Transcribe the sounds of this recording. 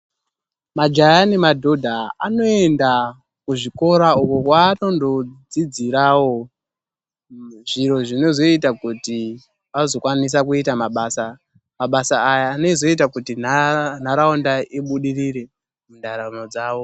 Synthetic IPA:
mad͡ʒajanimadʱo̞dʱaano̞e̞nda | kuʐiko̞ɾaukokwano̞ndo̞d͡zid͡ziɾawo̞ | ʐiɾo̞ʐino̞zo̞itakuti | azo̞kwanis̬akuitamaɓaːsa | maɓasaːjaːne̞zo̞it̬akutinn̤aɾaondaiɓuɗiriɾe̞ | mundaɾanod͡zaːwo̞

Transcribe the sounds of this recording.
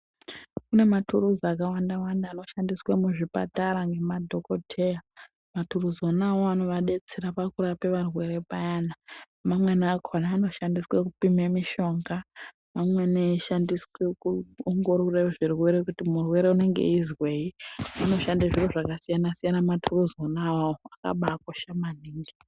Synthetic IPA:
kune̞matuɾuzakawandawandaːno̞ʃandiswemuʐipa̰taɾaŋɡe̞madʱo̞ko̞tʰe̞ja | maturuzonaoanoʋaɗe̞t͡seɾapakuɾapeʋarwe̞ɾe̞pajana | mamwenakanaːno̞ʃandiswekupimemiʃo̞ŋɡa | mamweneiʃandiswekuoŋɡo̞ɾoreʐirwe̞ɾe̞kutimurwe̞ɾe̞une̞ŋɡḛizwe̞iano̞ʃandaʐiroʐakasijanasijanamatʰuruzonawaoaka̰ɓakoʃamaniːŋɡi

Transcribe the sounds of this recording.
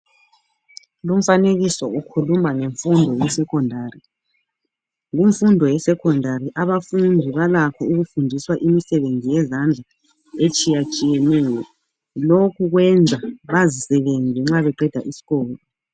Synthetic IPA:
lum̩faneɣisɔukʰulumaŋeɱfundʱɔjɛsɛkʰɔndʱaːri | ɣuɱfundʱɔjɛsɛkʰɔndʱaɾiʔaβafundʱiβalakʰɔuɣufundʱiswaʔimisɛβend͡zʱijɛzand͡ɮʱa | et͡ʃʼijat͡ʃʼijɛnɛːjɔ | lokʰuɣwɛnd͡zʱaβazisɛβend͡zʱɛŋ͡ǁaβɛɡ͡ǃʱɛd̥ʱa̰ʔisi̥ɣɔːlɔ

